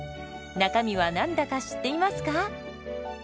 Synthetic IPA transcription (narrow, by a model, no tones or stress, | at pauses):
nakamʲiβanãnd̪akaɕi̥t̪ːe̞imasɨ̥ka